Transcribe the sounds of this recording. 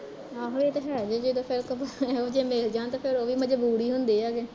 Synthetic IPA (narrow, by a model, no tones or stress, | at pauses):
aːɦoɽiet̪aːʃəɽad͡ʒeːd͡ʒed̪oːpʰɪɾkəpːoːd͡ʒeːmeːld͡ʒãːnt̪eːpʰɪɾoːʋiːməd͡ʒbuːɽiːɦʊnd̪iːaːɡeː